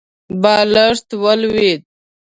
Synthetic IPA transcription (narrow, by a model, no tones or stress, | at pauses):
baːlaʂt̪wəlwed̪̚